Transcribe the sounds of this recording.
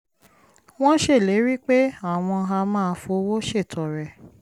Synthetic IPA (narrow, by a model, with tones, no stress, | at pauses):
w̃ɔ̃˦ʃe˦˨le˨˦ɾi˦k͡pe˦a˦˨w̃ɔ̃˧ɦa˧mã˦˧fo˧˦wo˦ʃe˦˨tʰɔ˨ɾɛ˨